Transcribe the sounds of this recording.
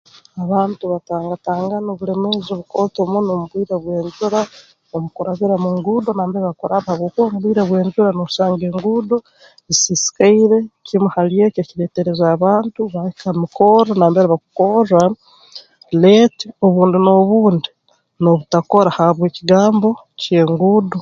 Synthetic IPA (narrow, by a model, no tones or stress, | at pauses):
aβaːntuβataːŋɡataːŋɡanoβule̞me̞zoβuko̞tomunomuβwiːɾaβwe̞ːɲd͡ʒuɾa | omukoɾaβiɾamuːŋɡudonaːmbeɾeβakoɾaβahaβɡokwoːmuβwiːɾaβwe̞ːɲd͡ʒuɾanoβusaːŋɡeːŋɡudo̞ | esisi̥kaiɾe̞cimuhalijececiɾeːteɾe̞zaːβaːntuβaikamikʰoɾonaːmbeɾiβaku̥ko̞ɾa | letio̞βuːndino̞βuːndi | no̞βutako̞ɾahaβweːciɡaːmbo̞ | ce̞ːŋɡudo